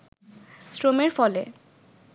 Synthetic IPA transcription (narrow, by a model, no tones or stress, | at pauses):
sɾomeɾfɔle